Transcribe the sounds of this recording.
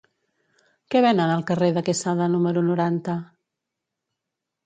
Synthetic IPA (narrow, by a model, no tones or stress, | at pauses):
kɛβɛnənəlˠkəreðəkesaðənuməɾunuɾant̪ə